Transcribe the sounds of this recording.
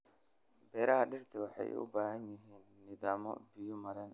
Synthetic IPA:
bɛːɾɐɦɐɖɪrt̪ʰɐwɑħɑ̰jʊ̰baːɦɐnjɪɦiːnːɪðaːmɔ̰bɪjʊmɐɾɐn

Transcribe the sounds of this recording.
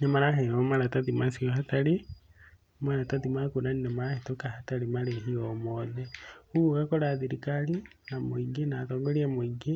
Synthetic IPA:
nemaɾaɦeomaɾataðimasioɦataɾi | maɾataðimakunaninemaɾahetokahataɾimaleɦiomoðeuuɣakoɾaðiɾikali | namoiɡinatoːŋɡoɾiemoiɡi

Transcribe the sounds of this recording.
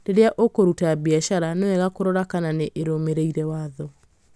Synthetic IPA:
deɾeaʔokoɾutabiɛʃaɾanewɛɣakoɾɔɾakananeʔeɾomeɾeiɾɛwaːðɔ

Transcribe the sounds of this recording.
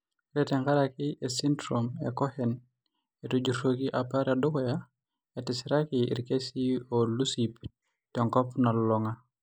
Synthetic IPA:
ɾeteŋkaɾakiʔesindɾomḛkohɛn | etud͡ʒuɾokiʔapaɾadokoja | etisiɾakiḭɾkesiolusip | tɔŋkɔpnalːɔŋa

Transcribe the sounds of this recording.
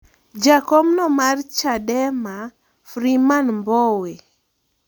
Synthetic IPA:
d͡ʒakɔmnɔmart͡ʃadɛma | fɾimanmbɔwe

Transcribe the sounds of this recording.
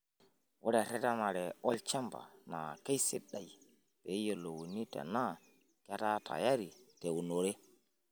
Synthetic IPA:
wɔɗaɾɛtanaɾɛʔɔlt͡ʃamba̰na̰kajsɛɗːaj | bɛjɔlɔwonːita̰na | kɛtata̰jaɾitewnoɾɛ

